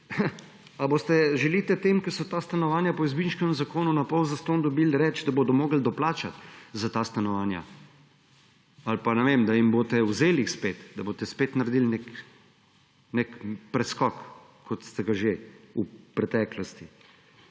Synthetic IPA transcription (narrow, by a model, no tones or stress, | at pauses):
aboːst̪ɛʒɛlit̪ɛt̪eːmkɛsɔt̪aːst̪anɔʋaːnjapɔizbinʃkɛmzakoːnunapɔwzast̪oːnd̪ɔbilɾɛt͡ʃd̪aboːd̪ɔmoːɡl̩d̪ɔplaːt͡ʃat̪zat̪ast̪anɔʋaːnja̰ | alpanɛʋemd̪aimboːt̪ɛwzeːlixspeːt̪d̪ɐboːt̪ɛspet̪naɾd̪ilnek | nekpɾɛskɔk | kʰːɔt̪st̪ɛɡaʒeupɾɛt̪ɛːklɔst̪i